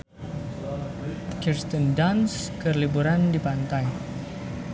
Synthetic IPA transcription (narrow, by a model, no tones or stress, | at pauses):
kirst̪əndanskərlibuɾandipant̪aj